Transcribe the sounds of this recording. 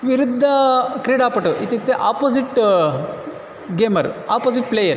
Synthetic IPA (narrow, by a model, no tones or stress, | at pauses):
ʋiɾud̪ʱːɐkɾiːɖaːpɐʈuʔit̪it̪ːeʔaːpoːziʈ | ɡeːmɐɾaːpoːziʈ̚pleːjɐɾ